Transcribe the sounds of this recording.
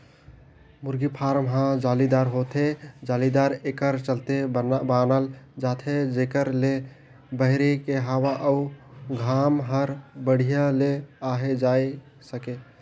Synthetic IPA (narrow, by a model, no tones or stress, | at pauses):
muɾɡipʰaɾmɦãd͡ʒalid̪aɾɦot̪ʰed͡ʒalid̪aɾekəɾt͡ʃəlt̪ebanəld͡ʒat̪ʰed͡ʒekəɾle | bəɦɪɾekeɦawaʔəuɡʱamɦəɾbəɽ̤ijaleaɦed͡ʒae | səke